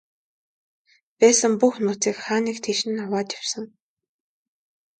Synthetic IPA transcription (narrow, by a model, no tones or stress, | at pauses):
pæːsə̆mpuxnʊːt͡siːkχaːniːkt̪ʰiːʃɘ̆nawaːt̪jaw̥sə̆ŋ